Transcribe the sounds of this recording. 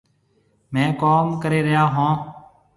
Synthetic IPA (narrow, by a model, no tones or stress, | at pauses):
mɛ̃ːkoːmkəɾeːɾəjaːɦõː